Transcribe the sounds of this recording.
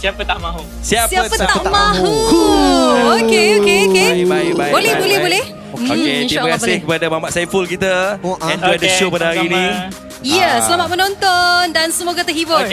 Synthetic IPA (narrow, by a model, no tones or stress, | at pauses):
sapət̪ama | siasapəamã | okeokeokebababolɛhbolɛhbolɛh | ookeiməkasɪhkəpadamamaʔsajfulkit̪aɛ̃nduɛdəʃopadaaɾinĩ | ijəsəlamat̪̚mənɔ̃nt̪ɔndansəmoɡat̪ərɦibʊ